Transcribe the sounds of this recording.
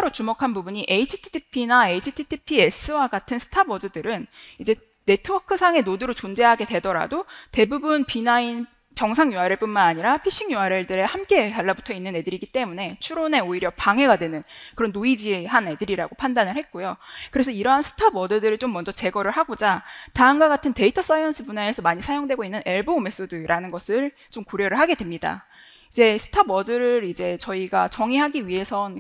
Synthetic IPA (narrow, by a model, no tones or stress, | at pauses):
aɾot͡ɕumokʰanbubuɲiʔeit͡ɕʰi̥tʰi̥tʰipʰinae̞it͡ɕʰitʰitʰipʰie̞s͈ʰɯwaɡatʰɯnsʰɯ̥tʰabʌdɯdɯɾɯnid͡ʑe̞ | ne̞tʰɯwʌkʰɯsʰaŋe̞noduɾot͡ɕond͡ʑe̞ɦaɡe̞dwe̞dʌɾa̰dote̞bubunpinain | t͡ɕʌŋsʰaŋjuɦaɾeɭp͈unmanaɲiɾapʰiɕ͈iŋjuɦaɾeɭdɯɾe̞hamk͈e̞taɭːabutʰʌinːɯne̞dɯɾiɡit͈e̞mune̞t͡ɕʰuɾone̞oiɾjʌpaŋɦe̞ɡadwe̞nɯnkɯɾʌnːoid͡ʑiɦane̞dɯɾiɾaɡopʰandanɯɭhe̞t̚k͈ojokɯɾe̞sʰʌiɾʌɦansʰɯ̥tʰabʌdɯdɯɾɯɭt͡ɕ͈omːʌnd͡ʑʌt͡ɕe̞ɡʌɾɯɭɦaɡod͡ʑataɯnɡwaɡatʰɯnte̞itʰʌs͈ajʌnsʰɯbuɲaesʰʌmaɲisʰajoŋdwe̞ɡoinːɯne̞ɭbome̞s͈odɯɾʔanɯnɡʌsʰɯɭ | t͡ɕomkoɾjʌɾɯɭɦaɡe̞dwe̞mɲida̰ | id͡ʑe̞sʰɯ̥tʰabʌdɯɾɯɾid͡ʑe̞t͡ɕʌiɡat͡ɕʌŋiɦaɡiɥiɦe̞sʰʌn